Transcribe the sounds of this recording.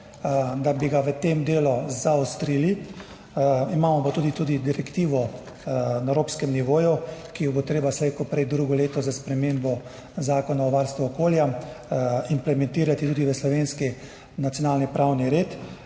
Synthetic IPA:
d̪abiɡaʋət̪emd̪eːluzaɔst̪ɾiːli | imaːmɔpat̪uːd̪it̪uːd̪id̪iɾɛkt̪iːʋɔ | naɛɾoːpskɛmniʋoːjukijɔbot̪ɾeːbaslɛekɔpɾɛjd̪ɾuɡɔleːt̪ɔzaspɾɛmeːmbɔ | zaːkɔnaɔʋaɾst̪ʋuɔkoːlja | implɛmɛnt̪iːɾat̪it̪uːd̪iʋəslɔʋeːnski | nat̪sjɔnaːlnipɾʔawniɾeːt̪

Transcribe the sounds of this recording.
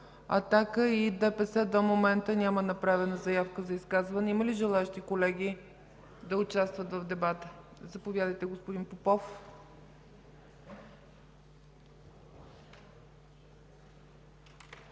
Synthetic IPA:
ɐ̰t̪akəid̪ɛpɛsɛd̪omomɛnt̪ənʲamənɐpɾavɛnəzɐjafkəzɐiskazvɐnɛiməliʒɛlˠaɛʃt̪ikolɛɡʲi | d̪ɐʊt͡ʃast̪vət̪vɐvd̪ɛbat̪əzɐpovʲjad̪əjt̪ɛɡospʊd̪inpopɔf

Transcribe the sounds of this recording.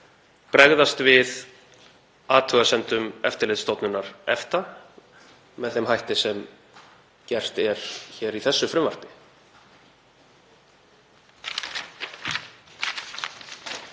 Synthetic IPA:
pɾɛɣðast̪vɪð | aːt̪ʰœɣasɛnt̪ʏmɛ̰ft̪ɪɾlɪðst̪owt̪nʏnaɾɛft̪a | mɛðθɛmhajht̪ɪsɛm | cɛr̥t̪ɛɾ̥çɛːɾiθɛsːʏfɾɪmvar̥pɪ̥

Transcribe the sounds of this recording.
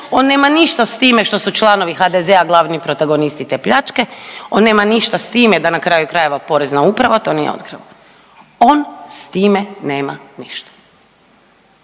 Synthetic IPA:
o̞nːe̞ːmaniʃt̪ast̪iːme̞ʃt̪o̞sut͡ʃlˠano̞ʋixad̪ezeaɡlˠaːʋnipɾo̞t̪aɡo̞nist̪it̪e̞pʎat͡ʃke̞o̞nːeːmaniʃt̪ast̪iːmed̪anakɾaːjukɾaje̞ʋapo̞ɾeznaupɾaʋat̪o̞nḭːjḛo̞̰t̪kɾḭʋo | o̞nst̪iːmene̞ːma̰niʃt̪ḁ

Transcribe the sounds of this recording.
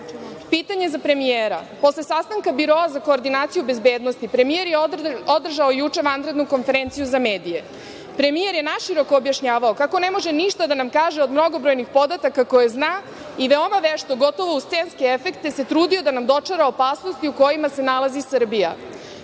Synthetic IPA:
pit̪aɲe̞zapɾe̞mijeɾa̰po̞slˠe̞sast̪aŋkabiɾo̞azako̞ːɾd̪inaːt̪sijube̞zbeːd̪nost̪ipɾe̞mije̞ɾjeod̪r̩ʒaojut͡ʂe̞ʋand̪ɾe̞d̪nuko̞nfe̞ɾent̪sijuzame̞ːd̪ije̞ | pɾe̞mijeɾjenaʃiɾo̞koːbjaʃɲaːʋaokako̞ne̞mo̞ʒeniʃt̪ad̪anamkaːʒeod̪mno̞ɡo̞bɾo̞jnixpo̞d̪at̪akako̞jeznaː | iʋe̞o̞maʋeʃt̪oɡot̪o̞ʋoust̪senskeefe̞kt̪e̞se̞t̪ɾuːd̪io̞d̪anamd̪o̞t͡ʂaɾaopaːsnost̪iuko̞jimase̞nalˠazisr̩bija̰

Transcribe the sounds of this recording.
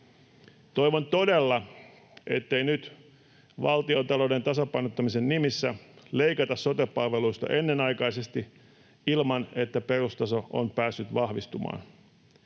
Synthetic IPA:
t̪o̞jʋont̪o̞delːɑ | ʔe̞t̪ːe̞jnyt̪ | ʋɑlt̪io̞t̪ɑloːde̞nt̪ɑsɑpɑjnot̪ːɑmise̞nːimisːæle̞ikɑt̪ɑsːo̞t̪epːɑlʋe̞luist̪ɑ̰ʔe̞nːe̞nɑjkɑjse̞st̪i | ilmɑne̞t̪ːæpe̞rust̪ɑso̞ʔo̰npæːsːyt̪ʋɑhʋist̪umɑ̰ːn

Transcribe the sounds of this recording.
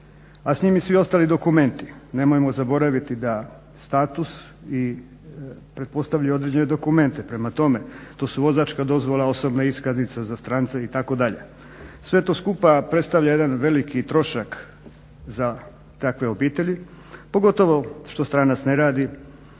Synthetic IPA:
asɲimisʋio̞st̪aːlid̪o̞kume̞nt̪ine̞mojemo̞zabo̞ɾaʋit̪id̪a | st̪aːt̪us | i | pɾet̪̚po̞st̪aʋʎajo̞d̪ɾed͡ʑe̞ned̪o̞kume̞nt̪epɾe̞mat̪o̞me̞t̪o̞ːsuʋo̞zat͡ʃkad̪o̞zʋo̞lˠao̞so̞bnaiskaznit̪sazast̪ɾaːnt̪seit̪ako̞d̪aʎḛ | sʋe̞t̪o̞skupapɾe̞t̪st̪aʋʎaje̞d̪anʋe̞likit̪ɾo̞ʃak | za | t̪akʋe̞o̞biːt̪eʎi | po̞ɡo̞t̪o̞ʋo̞ʃt̪o̞st̪ɾaːnat̪sneɾaːd̪i

